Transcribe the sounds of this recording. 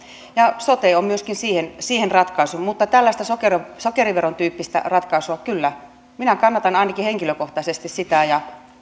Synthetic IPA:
jɑsot̪eommyøskinsiːhensiːhenrɑt̪kɑisumut̪ːɑt̪ælːæst̪æsokersokeriʋeront̪yːpːist̪æ̰rɑt̪kɑisuɑkylːæ | minækɑnːɑt̪ɑnɑinɑkiheŋkiløkoht̪ɑisest̪issit̪æjɑ

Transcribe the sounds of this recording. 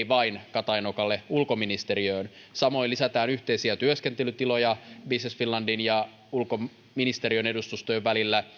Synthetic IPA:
ʋɑinkɑt̪ɑjnokɑlːe̞ulko̞minist̪e̞ɾiøːnsɑmo̞ilisæt̪æːnyht̪e̞isiæt̪yøsk̟e̞nt̪e̞lyt̪ilo̞jɑbisnesfinlːɑndinjɑ | ulko | minist̪e̞ɾiøne̞dust̪ust̪ojeʋʋælilːæ

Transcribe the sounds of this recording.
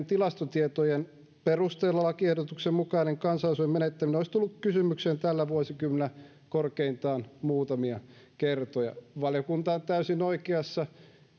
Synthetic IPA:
nt̪ilɑst̪ot̪iet̪ojen | perust̪eːlːɑlːɑkiehɾot̪uksemmukɑineŋkɑnsɑlɑsoimeneet̪ːæminoist̪ulːukkysymykseːnt̪ælːæʋuosikymːnæ | korkeint̪ɑːnmuːt̪ɑmiɑ | kert̪ojɑ̰ʋɑljokunt̪ɑont̪æysinoikeɑsːɑ

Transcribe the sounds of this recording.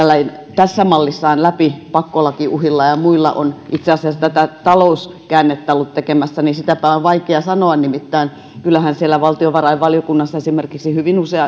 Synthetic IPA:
ælːæin | t̪æsːæmɑlːisːɑːnlæpipɑkːolɑkiʔuhilːɑjɑmuilːɑ̰ʔo̰nʔit̪seɑsiɑst̪æt̪æt̪ɑlous | kæːnːet̪ːɑlːut̪t̪ekemæsːænisit̪æpæoʋʋɑikeɑsɑnoɑnnimit̪ːæin | kylːˑæhænsielːˑæʋɑlt̪ioʋɑrɑiʋʋɑljokunːɑsːɑesimerkiksihyʋinuseɑ

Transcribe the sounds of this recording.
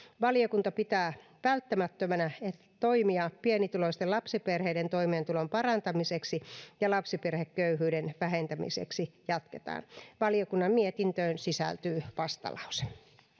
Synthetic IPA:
ʋɑlijokunt̪ɑpit̪æː | ʋælt̪ːæmæt̪ːømænæet̪ːæt̪o̞imiɑpienit̪uloist̪elɑpsiperheident̪o̞imeːnt̪ulompɑrɑnt̪ɑmiseksijɑlɑpsiperhekkøyɦyːdenʋæɦent̪æmḭsḛksijɑt̪ket̪ɑ̰ːnʋɑliokunːɑmmiet̪int̪øːnsisæ̰lt̪yːʋɑst̪ɑ̰lɑ̰wse̥

